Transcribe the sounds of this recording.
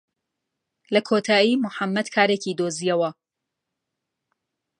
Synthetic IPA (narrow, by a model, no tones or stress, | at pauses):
lɐkʰoːt̪ʰaːjiːmʊħamːɐd̪kʰaːɾecid̪oːzijɐwɐ